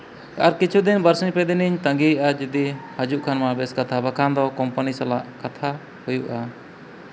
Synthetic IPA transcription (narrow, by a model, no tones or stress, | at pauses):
a̰ɾkit͡ʃʰud̪inbəɾsiɲpɛd̪iniɲt̪ə̃ŋɡijʔad͡ʒud̪ihad͡ʒuʔkʰanmabɛskat̪ʰabakʰand̪ɔkɔmpənisalaʔkat̪ʰa | hujuʔa